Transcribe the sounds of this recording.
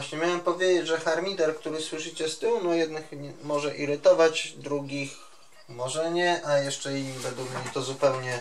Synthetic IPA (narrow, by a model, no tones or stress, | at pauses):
ɕɲɛmʲjawɛmpɔvʲjed͡ʑed͡ʑʐɛxaɾmʲit̪ɛɾkt̪uɾɘswɘʂɘt͡ɕɛst̪ɘwnɔjɛd̪nɘxmɔʐɛʔiɾɘt̪ɔvad͡ʑd̪ɾuɡʲix | mɔʐɛɲɛʔajɛʂt͡ʂɛiɲːivɛd̪ukmɲɛt̪ɔzupɛwɲɛ